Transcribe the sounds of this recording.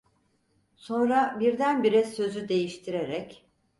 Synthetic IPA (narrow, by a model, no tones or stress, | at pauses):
so̞nɾabiɾd̪ænbiɾɛsø̞zyd̪e̞jiʃt̪ʰiɾe̞ɾɛc